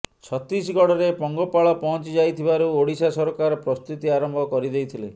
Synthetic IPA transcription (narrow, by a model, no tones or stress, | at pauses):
t͡ʃʰɔt̪ɾisɡɔɽɔɾepɔŋɡɔpaɭɔpɔɦɔ̃nt͡ʃid͡ʒajt̪ʰibaɾuoɽisasɔɾɔkaɾɔpɾɔst̪ut̪iaɾɔmbʱɔkɔɾid̪ejt̪ʰile